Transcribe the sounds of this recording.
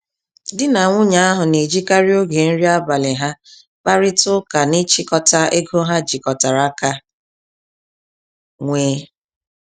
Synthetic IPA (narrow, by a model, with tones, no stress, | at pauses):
dɪ˦na˨ŋʷʊ˦ɲa˨a˦ɦʊ˨ne˨d͡ʒi˦ka˦ɾi˦o˦ɡe˨n̩˦ɾi˦a˦ba˨lɪ˨ɦa˦ | ba˦ɾɪ˦tʊ˦ka˨ni˦t͡ʃi˦kɔ˨ta˦e˦ɡo˦ɦa˦d͡ʒi˨kɔ˨ta˨ɾa˦ka˦ | ŋʷeː˦